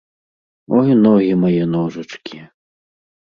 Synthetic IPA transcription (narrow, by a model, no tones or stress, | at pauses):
ɔjnɔɣʲimajɛnɔʐɐt͡ʂkʲi